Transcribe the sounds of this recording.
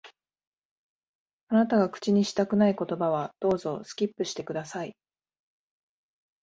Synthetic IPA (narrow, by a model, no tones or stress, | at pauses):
anat̪aɡakɯ̥t͡ɕiɲ̟iɕi̥t̪akɯ̟naiko̞t̪o̞baβad̪̥o̞ːzo̞sɨ̥kʲipːɯ̟ɕi̥t̪e̞kɯ̟d̪asai